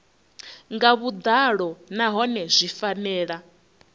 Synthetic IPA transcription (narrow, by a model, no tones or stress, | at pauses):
ŋɡaβud̪aɺɔnaɦɔnɛzʷifanɛːɺa